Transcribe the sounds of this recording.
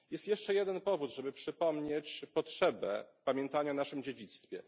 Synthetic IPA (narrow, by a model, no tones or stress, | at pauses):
jɛst̪jɛʂt͡ʂɛjɛd̪ɛnpɔvud̪ʐɛbɘpʂɘpɔmɲet͡ɕpɔtʂɛbɛ̰pamʲjɛnt̪aɲanaʂɘmd͡ʑed͡ʑit̪st̪fʲjɛ̰